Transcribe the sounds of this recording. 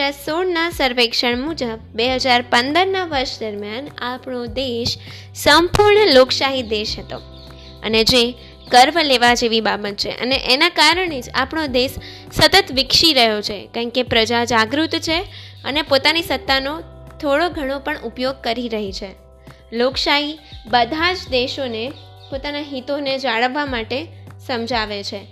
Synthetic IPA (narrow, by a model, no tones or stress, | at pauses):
asoɽnasəɾʋekʃəɳmud͡ʒəbːeɦəd͡ʒaɾpənd̪əɾnaʋəɾʃd̪əɾmjanapɳod̪eʃ | səmpuɾɳloksaɦid̪eʃɦət̪o̰ | ə̰ned͡ʒe | kəɾʋleʋad͡ʒeʋibabət̪̚t͡ʃʰḛʔə̰neʔenakaɾəɳed͡ʒa̰pɳod̪eʃː | ət̪ət̪ʋɪkʃiɾəɦjot͡ʃʰekãkepɾəd͡ʒad͡ʒaɡɾut̪t͡ʃʰeə̰nepot̪anisət̪ːanot̪ʰoɽoɡʱəɽ̃opəɳupjoɡ̚kəɾiɾəɦit͡ʃʰe | loksaɦibəd̪ʱad͡ʒd̪eʃone | pot̪anaɦit̪oned͡ʒaɭəʋːamaʈesəmd͡ʒʱaʋet͡ʃʰe